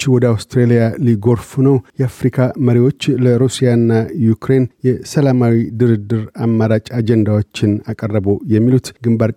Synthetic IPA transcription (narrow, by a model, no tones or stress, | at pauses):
t͡ʃːwɔd̪əawst̪ɾelijaliɡo̞ɾfunəwjɛafɾikʰaməɾiwo̞t͡ʃːləɾusijanːajukɾe̞njɛsəlamawid̪ɨɾɨd̪ːɨɾamːaɾat͡ʃʼad͡ʒɛnd̪awo̞t͡ʃːɪnakʼərːəbojɛmːilut̪ɡɨmbaɾ